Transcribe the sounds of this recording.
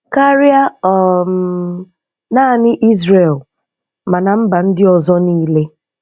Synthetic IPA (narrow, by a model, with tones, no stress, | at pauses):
ka˦ɾja˦ɔ˨ | naː˦˨nɪ˦ʔi˦zɾe˨l | ma˨na˨m̩˦ba˨n̩˦dɪ˦ɔ˨zɔ˦niː˦le˦